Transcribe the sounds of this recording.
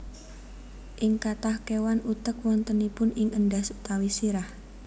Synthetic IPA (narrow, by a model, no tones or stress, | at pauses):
ʔɪŋkat̪ahkewanut̪əkwɔnt̪ənipʊnɪŋəndasut̪awisiɾah